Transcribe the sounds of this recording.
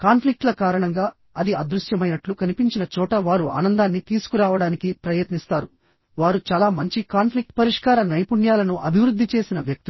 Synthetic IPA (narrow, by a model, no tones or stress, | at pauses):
kaːnpʰlik̚ʈlɐkaːɾɐɳɐŋɡaː | ɐd̪iɐd̪ɾuʃjɐmɐjnɐʈlukɐnipiɲt͡ʃinɐt͡ʃɔːʈɐʋaːɾua̰ːnɐnd̪aːnːit̪iːsu̥kuɾaːʋɐɽaːnikipɾɐjɐt̪nist̪aːɾu | ʋaːɾut͡ʃaːlaːmɐɲt͡ʃikaːnpʰlik̚ʈpɐɾiʂkaːɾɐnɐjpuɳjaːlɐnuʔɐbʱiʋɾud̪ʱːit͡ʃe̞ːsinɐʋjɐk̚t̪i